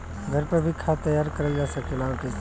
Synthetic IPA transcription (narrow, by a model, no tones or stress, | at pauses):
ɡʱəɾpəbʱikʰat̪əjaːɾkəɾəld͡ʒaːsəkelaokɪ